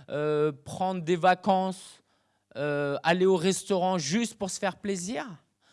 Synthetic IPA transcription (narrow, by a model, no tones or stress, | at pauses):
øpχɑ̃d̪ʁd̪evakɑ̃s | øaleoʁɛst̪ɔʁɑ̃ʒyst̪puʁsə̥fɛʁpleziːʁ